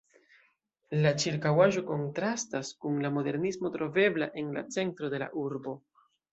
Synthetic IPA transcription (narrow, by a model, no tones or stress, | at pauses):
lat͡ʃiɾkawaʒo̞ko̞ntɾastaskunlamo̞de̞ɾnismo̞tɾo̞ve̞blaʔe̞nla̰t͡se̞ntɾo̞de̞la̰ʔuɾbo̞